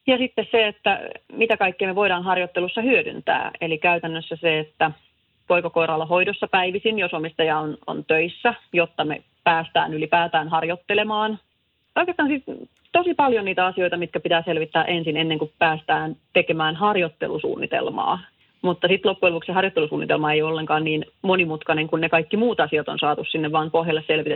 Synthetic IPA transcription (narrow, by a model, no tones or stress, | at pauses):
jɑsit̪ːesseet̪ːæmit̪ækɑikːeːmeʋo̞iɾɑːnɦɑrjot̪ːelusːɑhyødy̰nt̪æ̰ːelikæyt̪ænːøsːæseet̪ːæ | poikɑkoiɾɑlːɑɦo̞idosːɑpæiʋisinjosomist̪ɑjɑono̰nt̪øisːæjot̪ːɑmḛ | pæːst̪æ̰ːnylipæːt̪æːnɦɑrjot̪ːelemɑːn | oikest̪ɑːnsit̪ | t̪osipɑljoniːt̪æɑsio̞it̪ɑmit̪kæpit̪æːselʋit̪ːæːʔensinenːeŋkupæːst̪æːnt̪ekemæːnɦɑrjot̪ːelusṵːnːit̪ḛlmɑ̰ː | mut̪ːɑsit̪lopːuelukseɦɑrjot̪ːelusṵːnːit̪elmɑejolːeŋkɑːnniːn | monimut̪kɑneŋkunnekɑikːimuːt̪ɑsiɑt̪onsɑːt̪ussinːeʋʋɑːmpohɦjɑlːeselʋit̪e